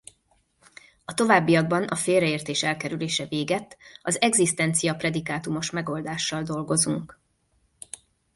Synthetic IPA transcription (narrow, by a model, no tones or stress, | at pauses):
ɒt̪o̞vaːbːijɒɡ̚bɒnɒfeːlrɛeːrt̪eːʃɛlkɛɾyleːʃɛveːɡɛt̪ːɒzɛɡzist̪ɛnt̪sijɒprɛd̪ikaːt̪umo̞ʃmɛɡo̞ld̪aːʃːɒld̪o̞lɡo̞zuŋk